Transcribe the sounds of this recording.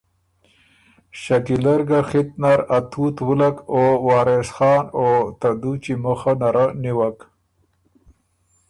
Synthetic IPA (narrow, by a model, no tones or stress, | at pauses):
ɕakilaɾɡaxit̪̚naɾat̪ʰut̪wulakowɑːɾesxɑːnot̪ad̪ut͡ɕiməxanaɾaniwak